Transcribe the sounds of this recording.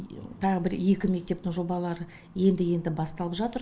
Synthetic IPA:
t̪ʰɑʁəbɪɾje̞kʲɪme̞k̚t̪e̞p̚t̪ɪŋʒo̞bɑlˠɑɾə | je̞nd̪ɪje̞nd̪ɪbɑst̪ɑlˠəpʒɑt̪əɾ

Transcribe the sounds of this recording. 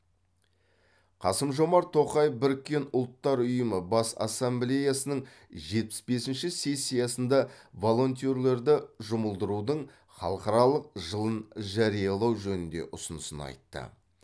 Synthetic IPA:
qʰɑ̰səmʒo̞mɑɾt̪ʰːo̞qɑjəfbɪɾɪkʲːe̞nʊlˠt̪ːɑɾʊjəməbɑsɑ̰sːemblʲe̞jasənəɴ | ʒe̞t̪̚pɪ̥sbe̞sɪnʃɪse̞sʲːijɑsənd̪ɑvo̞lˠo̞nt̪̬ioɾle̞ɾd̪ɪʒʊməlˠd̪əɾud̪əɴ | χɑ̰lˠəqɑɾɑlˠəq̚ʒəlˠənʒɑɾijɑlˠɑwʒɵnɪnd̪e̞̰ʔʊsʊnəsə̰nɑ̰jt̪ːə̰

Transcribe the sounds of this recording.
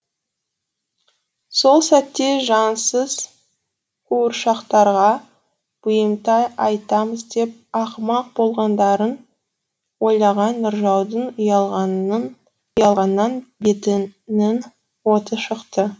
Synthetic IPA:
so̞lˠsæt̪ːe̞ʒɑnsəz̥ | kuʊɾʃɑqt̪ɑɾʁɑ | b̥ʊjəmt̪ɑjɑjt̪ɑməzd̪e̞p̚ɑqmɑq̚bo̞lˠʁɑnd̪ɑɾən | wo̞jlˠɑʁɑnːəɾʒɑwd̪əɴjɑʁ | ʊjɑlˠʁɑnːɑnbet̪ɪnɪn | wo̞t̪əʃəqt̪ə

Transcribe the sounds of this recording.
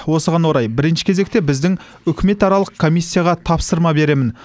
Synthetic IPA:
wo̞səʁɑnwo̞ɾɑjbɪɾɪnʃɪ̥kʲʰe̞ze̞kt̪e̞bɪzd̪ɪŋ | ʏkʲʰɪme̞t̪ɑɾɑlˠəqkʰːo̞mijsʲːijaɑʁɑt̪ʰɑpsəɾmɑbe̞ɾe̞mɪn

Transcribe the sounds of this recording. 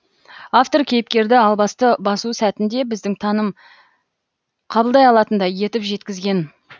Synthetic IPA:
aft̪o̞rkʲʰe̞jɪp̚kʲe̞ɾd̪ɪɑlˠbɑst̪əbɑsusæt̪ɪnd̪e̞bɪzd̪ɪŋt̪ʰɑnəm | qʰɑbəlˠd̪ɑjɑlˠɑt̪ənd̪ɑje̞t̪ɪpʒe̞t̪kʲɪzɡʲe̞n

